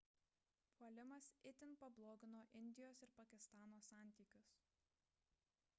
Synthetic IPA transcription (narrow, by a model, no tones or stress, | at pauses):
pʰuɔlʲɪmɐsɪt̪ʲɪnˑpɐblˠoːɡʲɪnoːʔɪnʲd̪ʲɪjoːsɪɾpɐkʲɪst̪ɑːnoːsɑˑnʲˑt̪ʲiːkʲʊs